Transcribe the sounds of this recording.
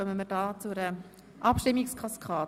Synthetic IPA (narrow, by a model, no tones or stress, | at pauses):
œmənməɾdɑːt͡suɾə | ʔɑpʃtɪmːɪkskʰɑskʰɑː